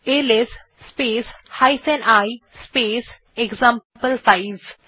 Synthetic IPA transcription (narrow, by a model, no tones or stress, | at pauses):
eles | speːshaɪfɛ̃ɳɖajspeːs | ekzãmppəlsaɪz